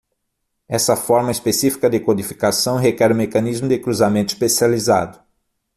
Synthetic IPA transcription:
ɛsɐfɔɾmɐispesifi̥kɐd̪ɪkod̪ifi̥kasɐ̃w̃ɦekɛɾʊ̃mekɐ̃nizmʊd̪ɪkɾuzamẽnt̪ʊispesializa̰d̪ʊ

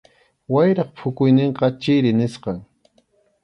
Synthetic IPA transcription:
wajɾɑχpʰʊkʊjnɪɴqɑt͡ʃɪɾɪnɪsqɑŋ

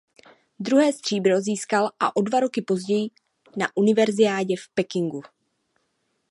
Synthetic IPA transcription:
d̪ɾuɦɛːst̪r̝̥iːbɾo̞ziːskalʔaʔo̞dvaɾo̞kɪpo̞zɟɛjɪ | naʔunɪvɛɾzɪaːɟɛfpɛkɪŋɡu

